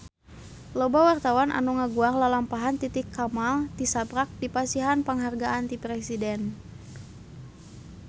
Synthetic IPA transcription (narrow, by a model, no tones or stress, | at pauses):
lobawart̪awanʔa̰nuŋaɡuarlalampaɦant̪it̪ɪkːamalt̪isabɾak̚dipasiɦanpəŋɦarɡaʔant̪ipɾɛsidɛn